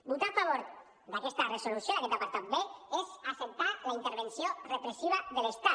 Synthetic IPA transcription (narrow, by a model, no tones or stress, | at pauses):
but̪afaβ̞oɾ | d̪akest̪areso̞lusjolaket̪apaɾt̪at̪̚beezasent̪alaint̪eɾβensiorepɾesiβ̞aðelest̪a